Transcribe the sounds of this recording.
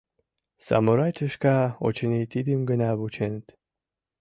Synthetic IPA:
sa̰moɾat̪ʲəʃkao̰t͡ɕenʲit̪id̪imɡənʲaβut͡ɕʰent̪

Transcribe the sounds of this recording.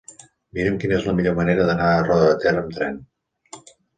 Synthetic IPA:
miɾəmkinezləmiʎoməneɾəðənaərɔðəət̪ɛrəmt̪ɾɛn

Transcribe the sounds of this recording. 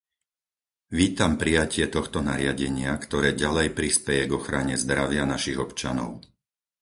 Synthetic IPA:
ʋiːt̪ampɾijacɪɛt̪ɔxt̪ɔnaɾɪaɟɛɲɪakt̪ɔɾɛːɟalɛjpɾispɛjɛɡɔxɾaɲɛzd̪ɾaʋɪanaʃiɣɔpt͡ʃa̰nɔ̰ʊ

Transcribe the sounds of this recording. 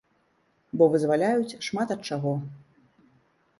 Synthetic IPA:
bɔvɨzvalʲajut͡sʲʂmat̪ɐt̪̚t͡ʂaɣɔ

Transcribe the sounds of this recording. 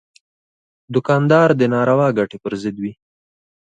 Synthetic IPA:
d̪ʊkɑnd̪ɑɾd̪ənɑɾawɑɡaʈepəɾzɪd̪wi

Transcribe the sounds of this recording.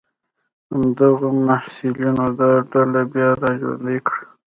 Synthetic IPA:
amd̪aɣomahsilinod̪aɖalabjɑɾɑʒwa̰nd̪ekɽə

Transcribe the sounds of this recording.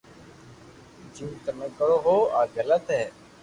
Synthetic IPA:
d͡ʒuːt̪əmẽːkəɽoːɦoːaːɡələt̪ɦɛː

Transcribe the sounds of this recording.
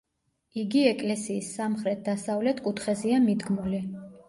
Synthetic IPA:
iɡiɛkʼlɛsiːsːamχɾɛt̪̚ʰd̪asavlɛt̪ʰkʼut̪ʰχɛziamid̪ɡmuli

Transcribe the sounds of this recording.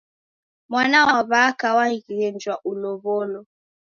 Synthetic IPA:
mwanawaaβakawaikɣɛnd͡ʒwaʔulɔβɔlɔ

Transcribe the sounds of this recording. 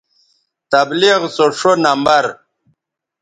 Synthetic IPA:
t̪abliɣsoʂonambɐɾ

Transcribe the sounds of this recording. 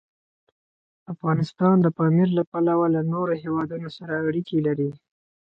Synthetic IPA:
afɣɑnɪst̪ɑnd̪əpɑmiɾlapalawalanoɾohewɑd̪unosaɾaːɽikelaɾi

